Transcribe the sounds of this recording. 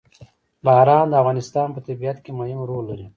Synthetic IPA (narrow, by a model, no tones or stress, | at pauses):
bɑːɾɑːnd̪əafɣɑnɪst̪ɑːnpət̪abijat̪kemajumɾolːaɾi